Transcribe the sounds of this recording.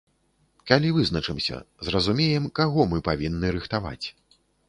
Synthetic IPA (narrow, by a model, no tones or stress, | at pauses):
kalʲivɨznɐt͡ʂɨmsʲɐ̰zrɐzumʲejɛmkaɣɔmɨpavʲinːɨɾɨxt̪ava̰t͡sʲ